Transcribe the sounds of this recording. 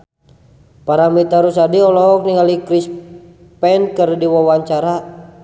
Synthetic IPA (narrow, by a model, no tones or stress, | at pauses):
paɾamit̪aɾusadiɔlɔk̚niŋalikɾis | pɛnkərdiwawaɲt͡ʃaɾa